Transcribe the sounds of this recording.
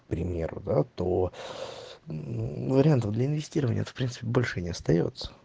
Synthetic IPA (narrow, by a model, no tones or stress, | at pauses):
pɾʲɪmʲḛɾʊ̰d̪at̪o | vəɾʲɪant̪əvd̪lʲəɪnvʲɪsʲtʲiɾəvənʲɪ̰əɛ̰t̪əfpɾʲint̪sɨ̥pʲɪbo̞lʲʂɨnʲɪɐst̪ɐjo̞̰t̪sə̥